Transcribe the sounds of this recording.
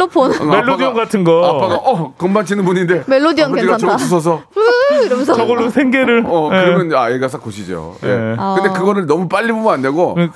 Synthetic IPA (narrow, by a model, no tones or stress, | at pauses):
opʰonmelːodioŋɡatʰɯnɡʌap͈ʰaɡaʔʌkɯmbant͡ɕʰinɯnbuɲinde̞meɭːodioŋiɡat͡ɕʌpus̬ʰʌs̬ʰʌ | st͡ɕʌɡʌɭːosʰeŋɡeɾɯɭʌkɯɾimʌnaeɡas̬ʰakoɕʰid͡ʑo̰jḛkɯndekɯɡʌɾɯɭnʌmup͈aʎːibomʌnanːeɡo